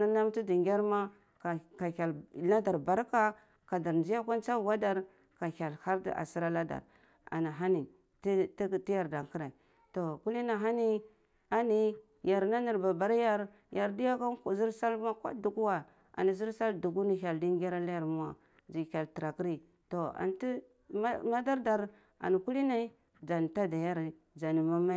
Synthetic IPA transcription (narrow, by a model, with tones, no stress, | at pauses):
na˦na˦mti˦di˨ŋɡʲa˦ɾma˦˨ | ka˨a˨lla˦da˨ɾba˨˦ɾka˦ | ka˨da˨ɾnd͡ʒi˦ja˦kʷa˦nt͡sa˦˨wa˦da˦ɾ | ka˨ha˨lha˦ɾd̰a̰˨si˦ɾa˦la˦da̰˨ɾ | a̰˨na˨ɦa˦ni˨ | tti˦ja˨ɾda˨ŋki˦ɾa˨i˨ | to˨ku˦li˦na˨ɦa˦ni˦ | a˨ni˦ | ja˨ɾna˦ni˨ɾba˨ba˨ɾja˦ɾ | ja˨ɾdi˦ja˦ka˦kzi˦ɾsa˦lma˦kʷa̰˦du˨ɡu˦wa˨ | a̰˨ni˨zi˦ɾsa˦ldu˨ɡu˦ni˨ça˨ldi˦ŋ˦ɡa˦ɾa˦la˦ja˨ɾmu˦wa˨ | d͡ʒi˨kʲa˨lti˨ɾa˨ki˦ɾi˦ | to˨a̰˨n˨ti˦ | m˦ma˦da˦ɾda˨ɾ | a̰˨ni˨ku˦li˦na˦ | d͡ʒa˨n˨ta˦da˨ja˦ɾ | d͡ʒa˨ni˨ma˦ma˦